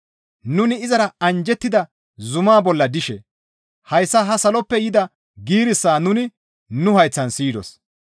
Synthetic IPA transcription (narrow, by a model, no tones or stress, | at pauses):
nʊnɪɪzɐɾɐɐnd͡ʒɛt̪ːɪd̪ɐ | zʊmaːbɔlːɐd̪ɪʃɛ | hɐjsːɐɦɐsɐlɔpːɛjɪd̪ɐ | ɡiːɾɪsːaːnʊnɪ | nʊhɐjt͡sːɐnsiːd̪ɔ̰s